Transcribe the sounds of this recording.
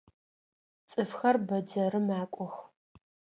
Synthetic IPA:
t͡sʼɨfxɐrbɐdɐɾɨmaːkʷʼɔx

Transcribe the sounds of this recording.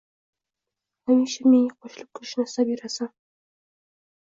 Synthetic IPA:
hamiʃameŋaqʰoʃlɪp̚kʲʰʊʃnasabeɾasan

